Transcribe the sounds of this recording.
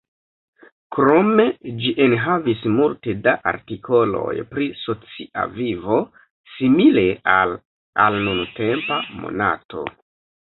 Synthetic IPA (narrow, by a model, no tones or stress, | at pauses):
kɾo̞me̞d͡ʒiʔenɦavismulte̞daʔa̰ɾtikʰo̞lo̞̰jpɾiso̞t͡siʔa̰vivo̞ | simile̞al | a̰lnunte̞mpamo̞̰na̰to̞̰